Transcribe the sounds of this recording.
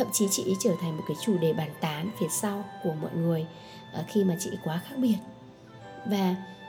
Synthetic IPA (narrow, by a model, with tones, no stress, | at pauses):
t̪ə̰˧˨mt͡ɕi˨˦t͡ɕḭ˧˨˦t͡ɕəː˧˩t̪ʰa˨˩ŋ̟mo˨˩kaː˨˦jt͡ɕu˧˩ɗe˨˩ɓaː˨˩nt̪aː˨˦nfe˨˩sa˧wku˧˩əmɔ̰˧˨jŋɨ˨˩əj | ʔxi˧maː˨˩t͡ɕḭ˧˨kwaː˨˦xaː˦˥k̚ɓi˨˩ət̚ | vaː˨˩